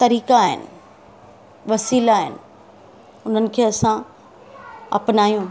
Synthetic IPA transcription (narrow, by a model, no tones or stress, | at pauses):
t̪ɐɾiːkaaːɦɪ̰nɪ̰̆ | ʋɐsiːlaːɦɪ̰nɪ̆ | ʊn̤ənɪ̆kʰeːɐsã | ɐ̰pnaːjũː